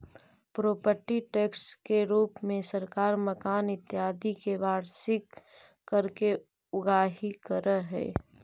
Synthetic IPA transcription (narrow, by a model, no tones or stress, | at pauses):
pɾoːpəɾʈiʈeːkskeɾuːpmẽsɐɾkaːɾməkaːnɪt̪ːjaːd̪ikeʋaːɾsɪkː | əɾke | ʊɡaːɦikəɾəɦɛ̰ː